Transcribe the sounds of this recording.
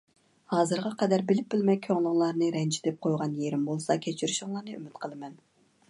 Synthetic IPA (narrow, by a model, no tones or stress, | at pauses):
hɑːzɨɾʁɑqʰɛd̪æɾbɪlɪp̚bɪlmɛkʲʰøŋlˠɨŋlˠɑɾnɨɾɛnt͡ʃʰid̪ɛp̚qʰojʁɑnjeɾɪmbolˠsɑkʲʰet͡ʃʰyɾyʃʊŋlˠɑɾnɨʔy̰mɪt̪qʰəlˠɨmɛn